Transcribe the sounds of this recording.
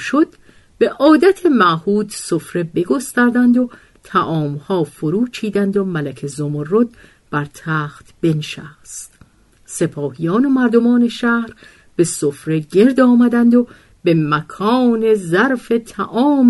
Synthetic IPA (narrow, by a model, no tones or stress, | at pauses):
ʃod̪̥ | b̥e̞ʔɒːd̪æt̪ʰemæhuːd̪sofɾe̞be̞ɡo̞st̪æɾd̪ænd̪o | t̪ʰæʔɒːmhɒːfoɾuːt͡ʃʰiːd̪ænd̪omælækʰezomorod̪̥̚ | b̥æɾt̪ʰæːxt̪b̥e̞nʃæst̪ | sepʰɒːhijɒːnomæɾd̪o̞mɒːne̞ʃæhɾ | be̞sofɾe̞ɟe̞ɾd̪ɒːmæd̪ænd̪o | be̞mækʰɒːne̞zæɾfe̞t̪ʰæʔɒːm